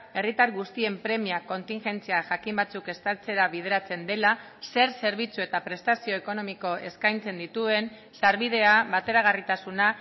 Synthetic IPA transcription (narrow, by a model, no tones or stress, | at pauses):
e̞rit̪aɾɣust̪ie̞mpɾe̞miako̞nt̪iŋʝe̞nt͡siaʝakimbat͡suke̞st̪alt͡se̞ɾaβið̞e̞ɾat͡se̞nd̪e̞la | se̞ɾse̞ɾβit͡sue̞t̪apɾe̞st̪asio̞eko̞no̞miko̞ʔe̞skajnt͡se̞nd̪it̪ue̞n | saɾβið̞e̞aβat̪e̞ɾaɣ̞arit̪asuna